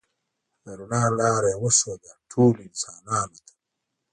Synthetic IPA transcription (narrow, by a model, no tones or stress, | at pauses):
ɛɾunalaɾɛwosod͡ʒatʰuːlinsananat̪i̥